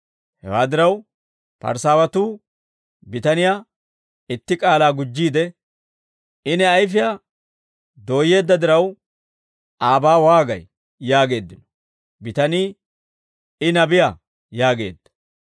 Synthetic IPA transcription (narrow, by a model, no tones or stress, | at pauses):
hɛ̰waːd̪ɪɾɐw | pɐ̰ɾsaːwɐt̪uː | bɪt̪ɐnɪjaː | ɪt̪ːɪkʼaːlaːɡʊd͡ʒːiːd̪ɛ | ɪnɛɐjfɪja | d̪o̞ːje̞ːd̪ːɐd̪ɪɾɐw | ʔaːbaːwaːɡɐj | jaːɡe̞ːd̪ːɪnɔ̥ | bɪt̪ɐniː | ɪnɐbɪja | jaːɡe̞̰ːd̪ːɐ̥